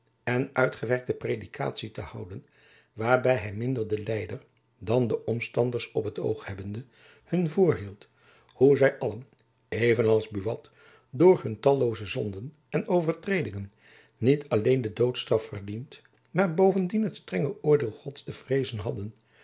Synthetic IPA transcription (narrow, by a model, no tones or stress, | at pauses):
ɛnʔœɥtχəʋɛɹk̚təpredikʰa̰ːtsitəhʌwdən | ʋaːɹbɛjɦɛjmɪndəɹdəlɛjdəɹ | dɑndəʔɔmstɑndəɹsɔpɦəto̰wχhɛbəndə | hɵnvʊːɹɦilˠt | huzɛjʔɑlən | ejvənɑlˠzbyʋɑt | dʊːɹɦɵntɑlˠowzəzɔndən | ɛnowvəɹtrejdɪŋənː | itʰɑlejndədowtstrɑfːərdint | maːɹbowvəndinɦətstrɛŋəʔʊːɹdɪːlˠχɔtstəv̥rejzənɦɑdən